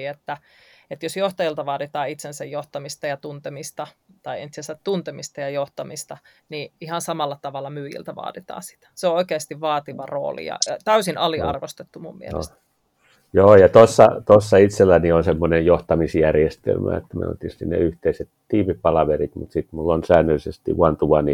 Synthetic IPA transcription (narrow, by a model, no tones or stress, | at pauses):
et̪ːæ | et̪josjoht̪ɑjilt̪ɑʋɑːdit̪ɑːit̪sensæjjoht̪ɑmist̪ɑjɑt̪unt̪emist̪ɑt̪ɑiḛnt̪sensætt̪unt̪emist̪ɑjɑjoht̪ɑmist̪ɑ | niihɑnsɑmɑlːɑt̪ɑʋɑlːɑmyːjḭlt̪æʋɑ̰ːdit̪ɑ̰ːsi̥t̪æ̥seooikeːst̪iʋʋɑːt̪iʋɑro̰ːlḭjɑ̰t̪æysinʔɑliɑ̰rʋost̪et̪ːumummiḛlḛst̪ | joːjɑt̪osːɑ̰t̪osːɑit̪selːænionsemːonejjoht̪ɑmisjærjest̪ḛlmæ̰ḛt̪ːæmḛno̰t̪ːist̪innḛyht̪eiset̪t̪iːmipɑlɑʋerit̪mut̪sit̪mulːonsæːnːølisest̪ḭuɑnt̪uʋɑni